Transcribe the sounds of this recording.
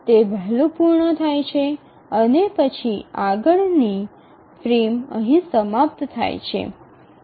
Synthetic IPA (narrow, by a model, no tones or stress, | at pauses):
t̪ebʱɛɦlupuɾɳət̪ʰajt͡ʃʰe | ənepət͡ʃʰiaɡəɭni | fɾimə̰ɦĩsəmap̚t̪t̪ʰa̰jt͡ʃʰḛ